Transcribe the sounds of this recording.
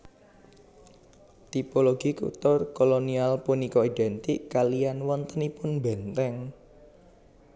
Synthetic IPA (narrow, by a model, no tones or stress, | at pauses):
t̪ipoloɡ̥i̤kṵt̪ʊrkolonialpunikɔiɖɛnt̪ɪkːalijanwɔnt̪ənipʊnbɛnt̪ɛŋ